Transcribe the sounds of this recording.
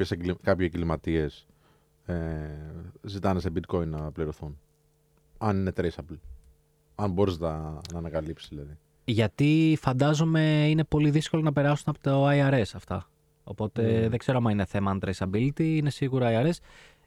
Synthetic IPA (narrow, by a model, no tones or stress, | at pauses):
eseɡlikɐpçseŋɡlimɐt̪ie̞s | e | zit̪ɐnesebit̪̚ko̞inːɐpliɾo̞θun | ɐnine̞t̪ɾesɐbil | ɐnbo̞ɾiznɐnɐːnɐkɐlipsizðilɐði | ʝɐt̪ifɐnd̪ɐzome̞ine̞po̞liðisko̞lo̞nɐpe̞ɾɐsunɐpot̪oɐiɐɾe̞sɐft̪ɐ̰ | o̞̰po̞t̪e̞ðeɡ̥ze̞ɾoɐmɐine̞θe̞mɐɐnt̪ɾesɐbilt̪iine̞siɣuɾoɐiɐɾe̞s